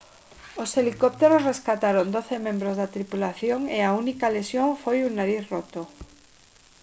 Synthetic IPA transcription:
oselikop̚t̪eɾosreskat̪aɾond̪oθemẽmbɾozðat̪ɾipulaθjoŋeaunikalesjoɱfojuŋnaɾiθrot̪o

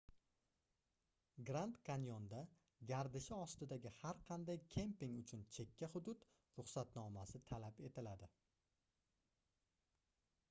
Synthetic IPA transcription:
ɡɾant̪kʰanjond̪a | ɡʲaɾd̪ɪʃɪɒst̪ɪd̪aɡʲɪhaɾqʰɑnd̪ajkʲʰe̞mpiŋʊt͡ʃʰʊnt͡ʃʰe̞kʲʰːaχʊd̪ʊt̪ | ɾʊχsat̪nɒmasɪt̪ʰalape̞t̪ʰɪlad̪ɪ

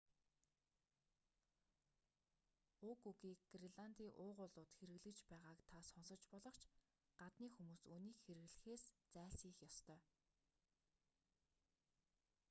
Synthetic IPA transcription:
ʊːkuɣiːkɡreɮant̪iːʔʊːʁʊɮʊːt̪xeɾɘ̆ɣɮɘ̆kt͡ɕpæːʁaːkt̪ʰasɔnsɞ̆t͡ɕpɔɮɞ̆χt͡ɕʰ | ɢ̥at̪niːxumuːsuːniːkxeɾɘ̆ɣɮɘ̆xeːst͡sæːɮsiːxjɔst̪ʰœː

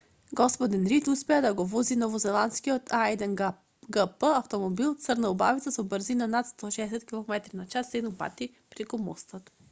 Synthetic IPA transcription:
ɡɔspod̪inɾit̪uspɛɛd̪ɐɡovɔzinovozɛlˠanskiot̪ʰajd̪ɛn | ɡəpəɐft̪omobilˠt̪sɤɾnɐobavit̪əsobəɾzinɐnat̪st̪ɔʃɛɛsɛt̪kʲilˠomɛt̪ɾinɐt͡ʃasɛnopa̰t̪i | pɾikomo̰st̪ət̪

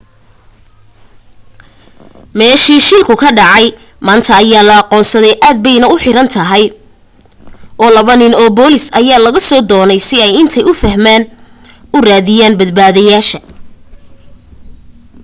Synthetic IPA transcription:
mɛːʃiːʃɪlkʰʊkʰɐɖɑʕɑj | maːnt̪ʰɐːjaːlɐɑqɔːnsɐðɛjʔaːd̪̚bɛjnɐʊħɪɾɐnt̪ʰɐɦɛj | ʔɔːlɐβɐnɪnɔːbɔːlɪsɐjaːlɐɣɐsɔːd̪ɔːnɛjsɪɛjɪnt̪ʰɛjʊfɐɦmaːn | ʊraːðɪjaːnbɐd̪̚baːðɐjaːʃɐ

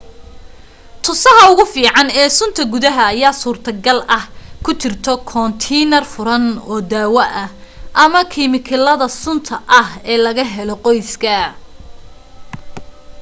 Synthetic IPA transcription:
t̪ʰʊsɐɦɐʊɣʊfiːʕɑnɛːsʊnt̪ʰɐɡʊðɐɦɐːjaːsuːrt̪ʰɐɡɐlɐhkʰʊt͡ʃɪrt̪ʰɔkʰɔnt̪ʰɛnɐrfʊɾɐnɔːd̪aːwɐʔɐhʔɐmɐkʰimɪkʰɪlɐðɐsʊnt̪ʰɐʔɐhɛːlɐɣɐɦɛlɔqɔjskʰɐ

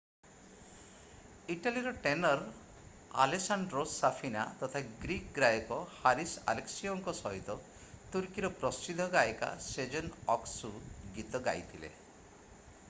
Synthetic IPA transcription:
iʈaliɾɔʈenɔɾ | a̰lesaɳɖɾosapʰina̰t̪ɔt̪ʰaɡɾikɡɾajɔkɔhaɾisa̰leksiɔŋkɔsɔɦit̪ɔ | t̪uɾkiɾɔpɾɔst͡ʃid̪ʱɔɡajɔka̰sed͡ʒɔnɔksuɡit̪ɔɡa̰jt̪ʰilḛ

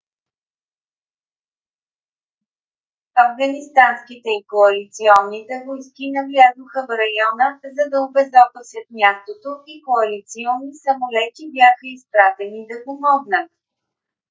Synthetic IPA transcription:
ɐvɡɐnist̪anskit̪ɛikoɐlit̪siɔnːit̪ɛvojskinɐvlʲazoxəvɾɐjɔnəzɐd̪ɐobɛzɔp̪əsʲət̪̚mʲjast̪ot̪oikoɐlit̪siɔnːisɐmolɛt̪ibʲjaxəispɾat̪ɛnid̪ɐpomɔɡnət̪̚

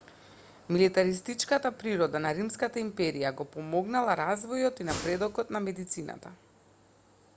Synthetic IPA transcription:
milit̪aɾist̪it͡ʃkat̪apɾiɾɔd̪anaɾimskat̪aimpɛɾijaɡɔpɔmɔɡnalˠaɾazvɔjɔt̪inapɾɛd̪ɔkɔt̪namɛd̪it̪sina̰t̪a

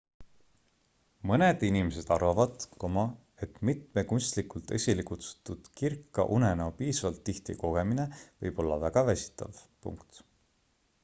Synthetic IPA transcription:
mɤned̪̥inimes̬e̞d̪̥ɑrvɑvɑd̪̥komɑ | e̞t̪mit̪mekunʲst̪likult̪esʲilikut̪su̥t̪ːud̪̥kirkːˑɑ̰ʔunenopiːsɑvɑlt̪ːiht̪ḭko̞ɡ̥e̞mine̞vɤ̰jb̥o̞lːɑ̰væɡ̥ɑvæsʲi̥t̪ːˑɑ̰vpṵŋkt̪

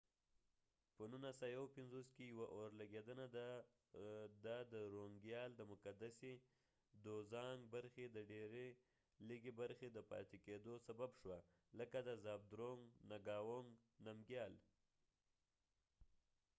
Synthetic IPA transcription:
pənunasajawpɪnzoskejawaʔoɾlaɡed̪ənad̪a | d̪ad̪əɾoŋɡjɑld̪əmʊkad̪ase | d̪ozɑŋɡbaɾxed̪əɖeɾe | liɡebaɾxed̪əpɑ̰t̪eked̪osababʃwa | ləkad̪əzɑb̚d̪ɾoŋɡnaɡɑwoŋɡnamɡjɑl

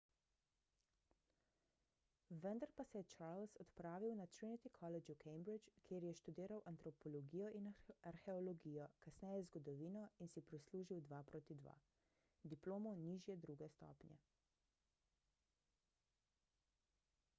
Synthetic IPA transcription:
ʋənd̪aɾpasɛjɛt͡ʃaɾlsɔt̪pɾaːʋiwnat̪ɾinit̪ikʰɔlɛd͡ʒukʰɛjmbɾit͡ʃkʰjeːɾjɛʃt̪ud̪eːɾawʔant̪ɾɔpɔlɔɡijɔʔinaɾxɛɔlɔɡiːjɔkasnɛjɛzɡɔd̪ɔʋiːnɔinsipɾisluːʒiwd̪ʋapɾoːt̪id̪ʋa̰ | d̪iploːmɔniːʒjɛd̪ɾuːɡɛst̪ɔ̰ːpnjɛ̰

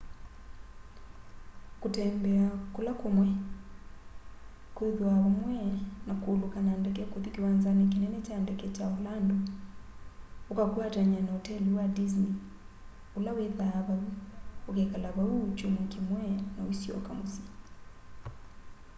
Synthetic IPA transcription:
kotɛːmbɛakulakomwɛ | kweðwaβamwɛnakoːlokanandɛkɛkuðikiwanzanɛk̬inɛnɛt͡ʃandɛkɛt͡ʃaolando | okakwataɲanaotɛliwadis̬ni | ulaweðaβauokɛkalaβaut͡ʃomokimwɛnawisjɔ̰kamosi

